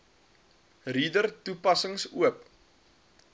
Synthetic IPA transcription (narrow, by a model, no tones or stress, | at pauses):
ridərtupɐsəŋsuəp̚